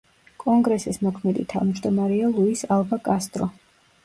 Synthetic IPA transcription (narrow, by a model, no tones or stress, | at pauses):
kʼɔŋɡɾɛsismɔkʰmɛd̪ḭt̪ʰa̰vmd͡ʒd̪ɔmaɾɛalˠuisalˠbakʼast̪ʼɾɔ